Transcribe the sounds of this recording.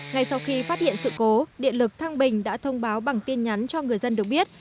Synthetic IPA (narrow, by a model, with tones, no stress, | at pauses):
ŋa˧jsa˧wxi˧faː˦˥t̚hḭ˧˨ənsɨ̰˧˨ko˨˦ɗḭ˧˨ənlɨ˨˩k̚t̪ʰaː˧ŋɓï˨˩ŋ̟ɗa̰ː˧˥t̪ʰə˧wŋ͡mɓaː˨˦wɓa˨˩ŋt̪i˧ənɲa˨˦nt͡ɕɔ˧ŋɨ˨˩əjzə˧nɗɨ˨˩ək̚ɓi˦˥ət̚